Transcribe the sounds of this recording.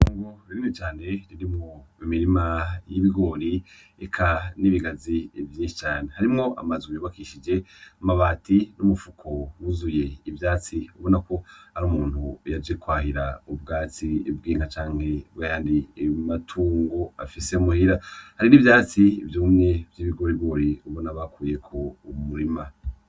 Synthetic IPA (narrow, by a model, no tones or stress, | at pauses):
uːŋɡoɾiɾimit͡ʃaːne̞ɾiɾimŋo̞imiɾimajiβiɡo̞ɾi | ekʰaniβiɡazivjĩːʃi̥t͡ʃaːne̞haɾimŋo̞ʔa̰mazujoːβakiːʃid͡ʒe̞amaβaːtinumufukʰowuzuje̞ivjaːt͡siuβo̞nako̞haɾuːmuːn̥ujad͡ʒikwaːɦiɾaub̚ɡaːt͡sib̚ɡiːŋhat͡ʃaːŋ̥he̞wejaːndimatʰuːŋɡo̞a̰fise̞umuhiɾahaɾinivjaːt͡sivjuːmŋe̞vjiːβiɡoɾibɡo̞ːɾiuβonaβakuːje̞kʰo̞umuɾima